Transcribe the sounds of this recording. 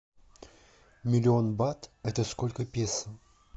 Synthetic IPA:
mʲɪlʲɪo̞nbat̪ɛt̪əsko̞lʲkəpʲesə

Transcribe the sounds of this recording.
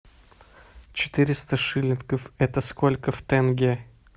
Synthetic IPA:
t͡ɕɪ̥t̪ɨɾʲɪst̪əʂɨlʲɪnʲkəfɛt̪əskolʲkəft̪ɛnɡʲe

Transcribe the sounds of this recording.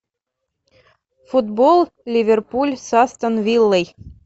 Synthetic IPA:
fud̪bolˠlʲivʲerpulʲsɑst̪ɤ̆nvʲilʲːɘj

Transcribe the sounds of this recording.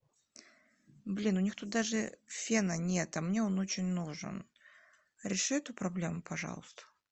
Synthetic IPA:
blʲinʊnʲixt̪ut̪̚d̪aʐɨfʲenənʲet̪ɐmnʲeonot͡ɕɪnʲnuʐɨ̰n | ɾʲɪʂɨɛt̪ʊpɾɐblʲe̞mʊpɐʐɑ̰lˠəst̪ə̥

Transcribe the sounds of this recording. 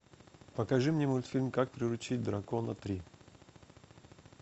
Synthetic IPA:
pɐkɐʐɨmnʲɛmoj̪fʲilʲmkak̚pɾʲɪɾʊt͡ɕit̚ʲd̪ɾɐkonɐt̪ɾʲi

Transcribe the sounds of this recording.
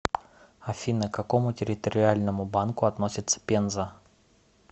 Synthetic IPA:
ɐfʲinəkːɐko̞mʊtʲɪɾʲɪt̪əɾʲɪalʲnəmʊbankʊɐt̪no̞sʲɪt̪sə̥pʲenzə

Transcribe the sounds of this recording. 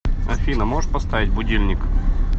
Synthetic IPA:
ɐfʲinəmoʐɨt̪̚pɐst̪avʲɪt̚ʲbʊdʲilʲnʲɪk

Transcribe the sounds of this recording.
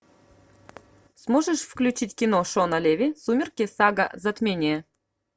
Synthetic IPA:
smoʐəʂfklʲʉt͡ɕitʲkʲinoʂonɐlʲevʲisumʲɪrkʲesɑɡə̰zɐt̪mʲenʲie

